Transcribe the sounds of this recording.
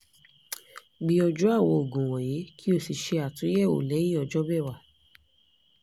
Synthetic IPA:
ɡ͡bi˧ɔ˧d͡ʒu˦a˦˨wɔ˧o˨ɡõ˨wɔ˨je˨˦kʰi˦o˧si˧ʃe˧a˨tũ˨˦jɛ˦˨o̰˨lɛ˨˦ji˦ɔ˧d͡ʒɔ˦bɛ˦˨wa˨

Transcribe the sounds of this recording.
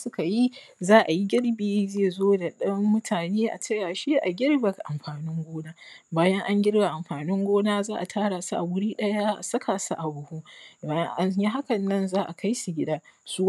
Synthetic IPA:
sʊ˦ka˨ji˦ | zaː˦ʔa˨ji˦ɡʲɪ˦ɽbeː˨zeː˦˨zoː˦da˨ɗɐ˦mːʊ˦tʰaː˨neː˦ʔa̰˨tɐ˦jaː˨ʃe˦ʔa˨ɡʲɪ˦ɽba˨kʔa˨mɸaː˨nɪ˦ŋɡʷoː˦naː˦baː˦jɐ˦ŋʔa˦ŋɡʲɪ˦ɽba˨ʔa˨mɸaː˨nɪ˦ŋɡʷoː˦naː˦zaː˦ʔa˨tʰaː˦ɽaː˨su˦ʔa˨wʊ˦ɽiː˦ɗɐ˦ja˦ʔa̰˨sɐ˦kʰaː˨sa˦ʔa˨bʊ˨hu˦baː˦jɐ˦ŋʔa˦n˦ji˦ɦa˦kɐ˨nːɐ˦nzaː˦ʔa˨kʰa˦jsu˨ɡʲɪ˦daː˦su˦w

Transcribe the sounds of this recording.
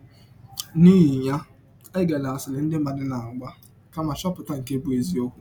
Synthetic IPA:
niː˦ɦi˨ɲa˦ | ɪ˦ɡa˨la˨a˨sɪ˨lɪ˨n̩˦dɪ˦ma˨dɪ˦na˨a˨ɡ͡ba˦ | ka˦ma˨t͡ʃɔ˦pʊ˨ta˦ŋ̩˨ke˦bu˦e˨zi˦o˦kʷu˦

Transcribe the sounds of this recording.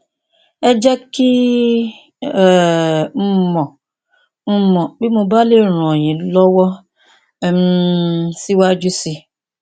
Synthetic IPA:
e˦d͡ʒe˦ki˦˨ | m̩˦mɔ˨ | m̩˦mɔ˨k͡pi˦mʊ˨ba˦le˦˨ɾu˨o˨ɲi˨lɔ˦wɔ˦˨ | m̩˦si˦wa˦d͡ʒu˦si˦

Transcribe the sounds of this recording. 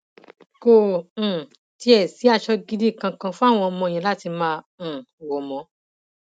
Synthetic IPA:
kõ˦˨ | ti˧˦ɛ˦˨si˨˦a˦˨ʃɔ˧ɡi˦di˦˨kã˧kã˧fũ˦a˦˨w̃ɔ̃˧ɔ˧mɔ̃˧˨j̃ɛ̃˧la˦ti˧mãː˧˨wo˨mɔ̃˨˧˦

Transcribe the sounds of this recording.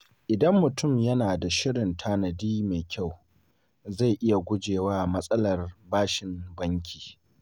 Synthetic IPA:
ʔɪ˨dɐ˦mːʊ˨tʊ˦˨mjɐ˦naː˨da˨ʃɪ˦ɽɪ˨ntʰaː˦nɐ˨diː˦meː˨kʲa˦˨w | za˦˨ʔɪ˦ja˨ɡʷʊ˦d͡ʒeː˨waː˦mɐ˦sʼɐ˦lɐ˨rbaː˦ʃɪ˨mbɐ˦ŋkʲʰi̥ː˨

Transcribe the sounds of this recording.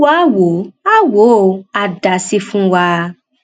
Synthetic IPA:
wa˦wo˨˦a˦wo˨˦˨a˨da˨si˧fũ˦wa˧

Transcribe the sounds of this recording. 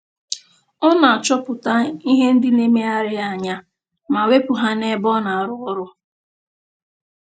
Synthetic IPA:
ɔ˦na˨a˨t͡ʃɔ˦pʊ˨ta˦i˦ɦe˦n̩˦dɪ˦ne˦me˦a˦ɾɪ˦a˨ɲa˦ | ma˨we˦pʊ˨ɦa˦ne˦bɔ˦na˨a˨ɾʊ˦ɾʊ˦

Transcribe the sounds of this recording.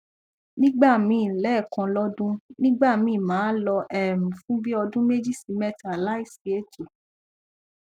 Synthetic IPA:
nĩ˦ɡ͡ba˦˨mĩː˨˧˨lɛː˦˨kã˧lɔ˦dũ˦nĩ˦ɡ͡ba˦˨mĩː˨mãː˨˦lɔ˧ʔɛ˨mũ˨fũ˦bi˦ɔ˧dũ˦me˦d͡ʒi˦˨si˨˧mɛ˦˨ta˨la˦i˦˨si˨˦e˦˨to˨

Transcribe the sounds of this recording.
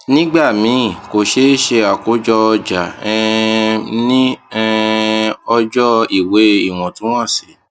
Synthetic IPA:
nĩ˦ɡ͡ba˦˨mĩ˨˦˨ko˨ʃe˦ʃe˧a˨ko˨˦d͡ʒɔ˧d͡ʒa˨ɛ˧ | nĩ˦ɛ˦˧ | ɔ˧d͡ʒɔ˦i˨we˨˦i˦˨w̃ɔ̃˨tũ˨˦w̃ɔ̃˦˨si˨˦

